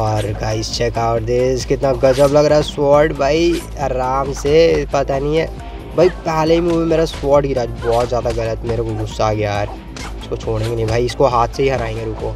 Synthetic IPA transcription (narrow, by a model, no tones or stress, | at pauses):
ɔːɾɡaːist͡ʃɛkaːʋəɾd̪eskɪt̪naɡɐd͡ʒəblɐɡɾaːɛswɔːɾʈbʱaːi | aɾaːmsepɐt̪anĩɦɛ | bʱaːipɛːleimuːẽmeːɾaswɔːʈɡiɾaːd͡ʒbɔːt̪zjaːd̪aɣɐlət̪meːɾekoɡʊsːaːɡjaːɾ | ɪskot͡ʃʰoːɽ̃ẽːŋɡenɐ̃ĩbʱaːiɪskoɦaːt̪ʰseɦiɦɐɾaːẽːŋɡeɾuːkoː